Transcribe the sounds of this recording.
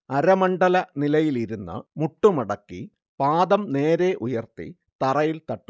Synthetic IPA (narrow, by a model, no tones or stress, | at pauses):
ɐɾɐmɐɳɖɐlɐnilɐjiliɾunːɨ̰muʈːumɐɽɐkːi | paːd̪ɐmne̞ːɾe̞ʔujɐrt̪ḭ | t̪ɐrɐjilt̪ɐʈːu̥